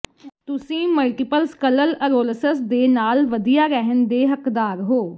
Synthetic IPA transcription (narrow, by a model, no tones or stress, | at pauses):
t̪ʊsĩːməlʈɪpəlskələləɾoːləsəsd̪eːnaːlʋəd̪ijaːɾɛɦənd̪eːɦəkd̪aːɾɦoː